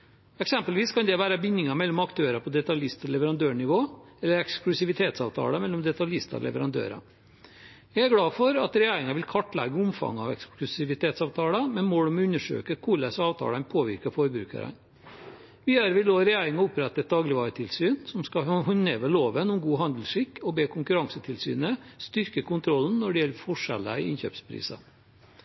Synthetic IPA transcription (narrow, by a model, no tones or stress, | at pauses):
ɛksɛmpəlʋiːskʰɑnd̪ɛʋæːɾəbɪnːɪŋɑmɛlːɔmɑkt̪ʰøːɾɑpʰɔd̪ɛt̪ɑljɪst̪ɔlɛʋəɾɑnd̪øːɳɪʋoː | ɛlːəɾɛksklʉsɪʋɪt̪ʰeːt̪sɑ̰ːʋt̪ʰɑ̰ːləmɛlːɔmd̪ɛt̪ɑljɪst̪ɑ̰lɛ̰ʋəɾɑnd̪ø̰ːɾə̰ | jæɪæɾɡɽɑːfɔɾɑt̪ɾɛjæːɾɪŋɑʋɪlkʰɑʈːlɛ̰ɡəʊmfɑ̰ŋːɑ̰ʋɛ̰ksklʉsɪʋɪt̪ʰeːt̪sɑːʋt̪ʰɑːləmɛnmoːɽɔmʉnːəʂø̰ːkəkʰʊlæsɑːʋt̪ʰɑ̰ːlənpʰoːʋɪɾkəfɔɾbɾʉ̰ːkə̰ɾə̰n | ʋiːd̪əɾʋɪloːɾɛjæːɾɪŋɑʊpɾɛt̪ːɛt̪̚d̪ɑːɡlɪʋɑːɾət̪ʰɪlsyːnsɔmskɑɦɔneːʋəloːʋənʊmɡuːɦɑnd̪l̩ʂɪkːɔbeːkʰʊŋkʉɾɑŋsət̪ʰɪlsy̰ːnəst̪ʏɾkəkʊnt̪ʰɾɔlnnɔɖɪjɛlːəfɔʂɛ̰ləɪ̰ɪnçø̰ːpspʰɾḭːsɑ̰